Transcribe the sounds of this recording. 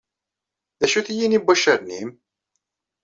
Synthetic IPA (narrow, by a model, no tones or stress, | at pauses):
ðæʃuθijinibɑʃəɾnim